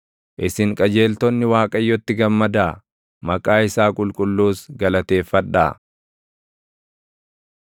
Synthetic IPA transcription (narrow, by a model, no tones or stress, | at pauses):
ʔɪsɪŋkʼɐd͡ʒe̞ːlt̪ɔnːɪwaːkʼɐjːɔt̪ːɪɡɐmːɐd̪aː | mɐkʼaːɪsaːkʼʊlkʼʊlːuːsɡɐlɐt̪e̞ːfːɐᶑːa̰ː